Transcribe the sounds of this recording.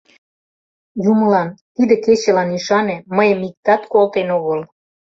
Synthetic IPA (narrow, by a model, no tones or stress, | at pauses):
jumə̆lɑnt̪id̪ĕket͡ɕĕlɑniʃɑnĕməjəmik̚t̪ɑt̪kolt̪enoɣəl